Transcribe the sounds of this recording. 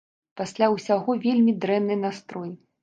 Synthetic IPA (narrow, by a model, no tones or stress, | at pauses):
pasʲlʲawsʲaɣɔvʲelʲmʲid̪ɾɛnːɨnast̪ɾɔj